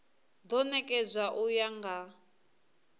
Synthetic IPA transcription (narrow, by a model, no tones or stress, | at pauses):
d̪ɔnɛkʼɛd͡zʷaʔujaŋɡa